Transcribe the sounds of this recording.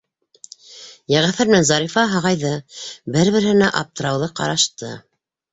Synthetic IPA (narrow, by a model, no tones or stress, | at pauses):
jæʁæθæ̆ɾnænzɑɾifɑɦɑʁɑjðɤbɘɾβɘ̆ɾhɘ̆næʔɑp̚t̪ɤ̆ɾɑwðɤqɑ̰ɾɑʃt̪ɤ